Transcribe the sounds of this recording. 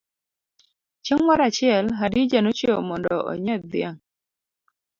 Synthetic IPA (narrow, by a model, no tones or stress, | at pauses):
t͡ʃeŋmaɾat͡ʃɪɛlɦadid͡ʒanot͡ʃomɔndɔʔɔ̰ɲɛd̪ɪaŋ